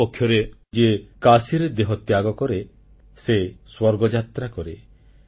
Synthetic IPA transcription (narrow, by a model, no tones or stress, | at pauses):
ɔkʰːjɔɾed͡ʒekasiɾed̪eɦɔt̪jaɡɔkɔɾe | seswɔɾɡɔd͡ʒat̪ɾakɔɾe